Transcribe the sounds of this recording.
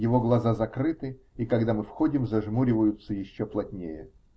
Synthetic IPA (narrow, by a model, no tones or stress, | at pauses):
jɪvo̞ɡlˠɐzazɐkɾɨt̪ɨ | ikɐɡd̪amɨfxo̞dʲɪmzɐʐmuɾʲɪvəjʊt̪sːəjɪɕːoplˠɐt̪ʲnʲejə